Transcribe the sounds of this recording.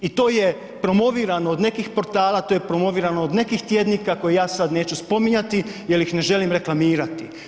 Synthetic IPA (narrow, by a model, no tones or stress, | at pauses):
it̪o̞ːje̞ | pɾo̞mo̞ʋiːɾanoːd̪ne̞kixpo̞ɾt̪aːlˠat̪ojepɾo̞mo̞ʋiːɾanood̪ne̞kixt̪jed̪nikakojejaːsad̪ne̞ːt͡ɕuspo̞miɲat̪ijelixne̞ʒe̞limɾe̞klˠamiːɾat̪i